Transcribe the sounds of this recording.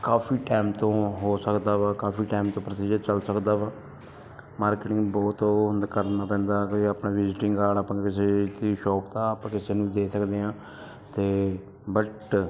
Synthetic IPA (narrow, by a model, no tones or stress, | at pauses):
kaːfʰiːʈaːmt̪õːɦoːsəkd̪aːʋaːkaːfiːʈaːɪmt̪õːpɾəsiːd͡ʒəɾt͡ʃəlsəkd̪aːʋaː | maːɾkːʈɪŋɡbɔːt̪oɦʊnd̪kəɾnaːpɛ̃ːnd̪aːkːapnãːʋɪzɪʈɪŋɡaːɽaːpãːkɪseːd̪iʃɔːpt̪aːpãːkɪseːnũːd̪eːsəkd̪eːãː | t̪eː | bəʈ